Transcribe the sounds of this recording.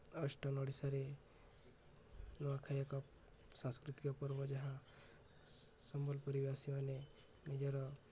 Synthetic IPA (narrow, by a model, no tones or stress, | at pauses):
ɔsʈɔnɔɽisaɾe | nɔwakʰajakɔ | sãskɾit̪ikɔpɔɾbɔd͡ʒaɦã | sɔmbɔlpɔɾibasimane | nid͡ʒɔɾɔ